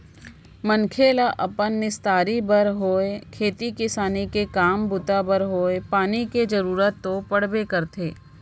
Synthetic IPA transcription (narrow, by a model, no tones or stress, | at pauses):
mənkʰeːlaʔɐpənːɪst̪aːɾibəɾɦoːekʰeːt̪ikɪsaːnikekaːmbʊt̪abəɾɦoːepaːniked͡ʒɐɾuːɾət̪ːopɐɽ̤bekəɾt̪ʰeː